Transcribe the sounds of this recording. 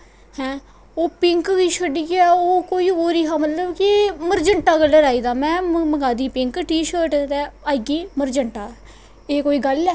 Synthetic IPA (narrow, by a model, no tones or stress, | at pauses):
hɛ̃ː | oːpɪŋkkiːʃəɖiːɛːoːkoːiːoːɾiːɦaːmət̪ləbkɪməɾd͡ʒəɳʈaːɡəlːəɾaːiːd̪aːmɛ̃ːməɡaːd̪iːpɪ̃ŋkʈiːʃəːʈt̪ɛːaːɡiːməɾd͡ʒəɳʈaː | eːkoːiːɡəlɛː